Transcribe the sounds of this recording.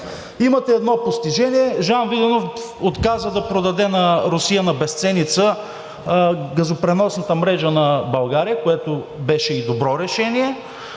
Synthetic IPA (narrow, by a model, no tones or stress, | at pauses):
imɐt̪ɛːd̪nɔpost̪iʒɛniɛʒanvid̪ɛnof | ot̪kazəd̪ɐpɾod̪ɐd̪ɛnɐɾʊsijənɐbɛst̪sɛnit̪sə | ɡɐzopɾɛnɔsnɐt̪əmɾɛʒənɐbɐlˠɡaɾijəkoɛt̪obɛʃɛid̪obɾɔɾɛʃɛniɛ